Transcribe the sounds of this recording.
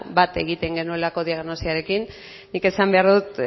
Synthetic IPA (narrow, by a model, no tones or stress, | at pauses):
bat̪e̞ɣit̪e̞ŋɡe̞nue̞lako̞ðiaɣno̞siaɾe̞kinː | ike̞sambe̞aɾðut̪